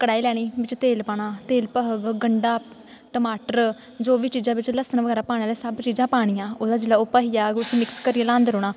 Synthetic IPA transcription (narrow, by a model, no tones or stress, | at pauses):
kəɽaːiːlɛːɽ̃iːbɪt͡ʃt̪eːlpaːɽ̃aːt̪eːlpəɦəɡɡəɳɖaː | ʈəmaːʈəɾ | d͡ʒoːʋiːt͡ʃiːd͡ʒãːʋɪt͡ʃləsənʋəɡɛːɾaːpaːɽ̃ẽːlɛːsəbt͡ʃiːd͡ʒãːpaːɽ̃ɪjãːoːd̪aːd͡ʒɪlaːʊpaːɦijaːɡʊsĩːmɪkskəɾiːãːlãːnd̪ɾoːɽ̃aː